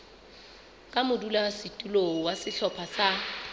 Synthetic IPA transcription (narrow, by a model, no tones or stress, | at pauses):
kʼamʊdulasɪtʼulowasɪɬʰɔpʰasa